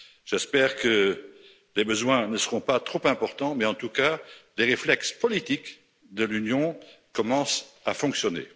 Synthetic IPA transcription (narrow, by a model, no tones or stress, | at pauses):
ʒ̥ɛspɛːʁkə | lebəzwɛ̃nəsəʁɔ̃pat̪χopɛ̃pɔʁt̪ɑ̃mɛɑ̃t̪ukaleʁeflɛkspɔlit̪ik | d̪əlynjɔ̃kɔmɑ̃safɔ̃ksjɔnḛ